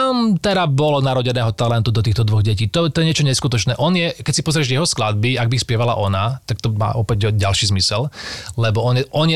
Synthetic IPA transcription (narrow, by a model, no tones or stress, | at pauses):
mt̪ɛɾabɔlɔnaɾɔɟɛnɛːɦɔt̪alɛnt̪ud̪ɔt̪iːxt̪ɔd̪ʋɔɣɟɛciːt̪ɔt̪ɔjɛɲɪɛt͡ʃɔɲɛskut̪ɔt͡ʃnɛːʔɔnjɛkɛcsipɔzɾɪɛʒjɛɦɔsklad̪̚biaɡ̚bixspɪɛʋala̰ʔɔnat̪ak̚t̪ɔma̰ːʔɔpɛɟɟalʃiːzmisɛllɛbɔɔnɛʔɔnjɛ